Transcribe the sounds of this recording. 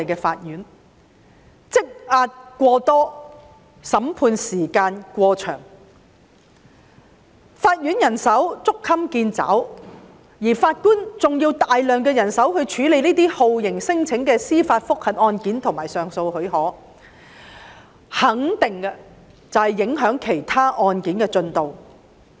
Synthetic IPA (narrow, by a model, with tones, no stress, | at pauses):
jkɛː˧faː˧t̚jyː˨˥n | t͡sɪ˥k̚aː˧t̚kʷɔː˧t̪ɔː˥ | sɐ˨˥mpʰuː˧nsiː˨˩kaː˧nkʷɔː˧t͡ʃʰœ̰ː˨˩ŋ | faː˧t̚jyː˨˥njɐ˨˩nsɐ˨˥wt͡sʊ˥kʰːɐ˥mkiː˧nt͡sa̰ː˨˥w | jiː˨˩faː˧t̚kuː˥nt͡sʊ˨ŋjiː˧wt̪aː˨jlœː˨ŋkɛː˧jɐ˨˩nsɐ˨˥whɵ˧ɥt͡ʃʰyː˨˥le˨jniː˥t̪iː˥ho˨˧wjɪ˨˩ŋsɪ˥ŋt͡sʰɪ˨˥ŋkɛː˧siː˥faː˧t̚fʊ˥k̚hɐ˨˩p̚ʔɔː˧nkiː˨˥nt̪ʰʊ˨˩ŋmaː˨˩jsœː˨ŋso˧whɵ˨˥ɥɦɔː˨˥ | hɐ˨˥ŋt̪ɪ˨˩ŋɐ˧ | t͡sɐ˨˧whɐ˨jːɪ˨˧˥ŋɦœː˨˥ŋkʰe˨˩jt̪ʰaː˥ʔɔː˧nkiː˨˥nkɛː˧t͡sɵ˧nt̪o˨w